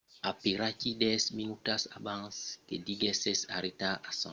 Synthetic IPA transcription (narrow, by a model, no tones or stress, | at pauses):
apiɾacidɛsminutasabãskediɡɛsesa̰ɾetaasã